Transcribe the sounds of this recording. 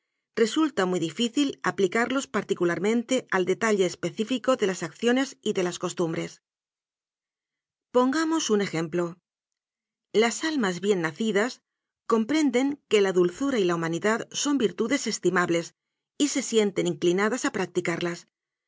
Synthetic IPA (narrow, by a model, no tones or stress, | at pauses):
re̞sult̪amuiðifiθila̰plikaɾlo̞spaɾt̪ikulaɾmẽ̞nt̪e̞ʔald̪e̞t̪aʎeːspe̞θifiko̞ðe̞lasakθjo̞ne̞siðe̞lasko̞st̪umbɾe̞s | po̞ŋɡamo̞sune̞xe̞mplo̞ | lasalmazβje̞nːaθiðas | ko̞mpɾe̞nd̪e̞ŋke̞laðulθuɾailaumaniðaðso̞mbiɾt̪uðe̞se̞st̪imaβle̞s | ise̞sje̞nt̪e̞niŋklinaðasapɾak̚t̪ikaɾlas